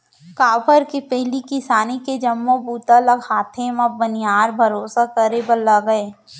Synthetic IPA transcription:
kaːpəɾkipɛɦlikɪsaːniked͡ʒɐmːõbuːt̪aləɡhaːt̪ʰemãbənjaːɾbʱɐɾoːsakɐɾebəlaɡəeː

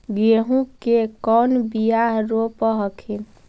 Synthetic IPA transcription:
ɡeɦũkekɔnbijaɦɾopəɦəkʰin

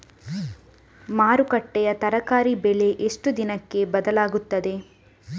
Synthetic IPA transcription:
maːɾukɐʈːɛjɐt̪ɐɾɐkaːɾibɛle̞ʔeʂʈud̪inɐkːe̞bɐd̪ɐlaːɡut̪ːɐd̪e̞

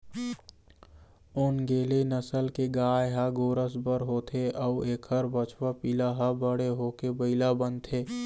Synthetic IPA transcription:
ʊnɡeːlenəsəlkeɡaːjɦaɡoːɾəsbəɾɦoːt̪ʰeʔɔueːkʰəɾbət͡ʃʰwapiːlaɦabəɽeɦoːkebəɪlabənt̪ʰeː

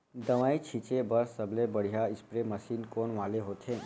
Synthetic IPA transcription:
d̪ɐʋaːit͡ʃʰit͡ʃebɐɾsɐblebɐɽ̤ijaɪspɾemɐsiːnkoːnʋaːleɦoːt̪ʰɦẽː

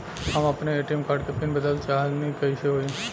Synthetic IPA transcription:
ɦamaːpneeʈiemkaːɖkepinbəd̪əlt͡ʃanikəiʃeɦoi

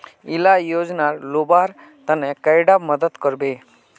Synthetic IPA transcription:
ilajod͡ʒnaɾlobaɾ | t̪ənekəjɖaməd̪ət̪kəɾbe

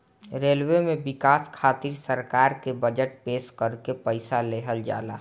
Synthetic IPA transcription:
ɾelwemebɪkaːskʰaːt̪iɾsəɾkaːɾkebəd͡ʒəʈpeskəɾkepəɪsaleɦəld͡ʒa̰ːla̰ː

